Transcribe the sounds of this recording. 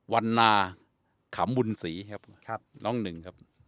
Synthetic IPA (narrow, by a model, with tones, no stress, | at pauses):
wa˧nːaː˧ | kʰa˩˦mbu˧nsiː˩˦kʰa˦˥p̚ʰlɔː˥˩ŋnɯ˨˩ŋkʰa˦˥p̚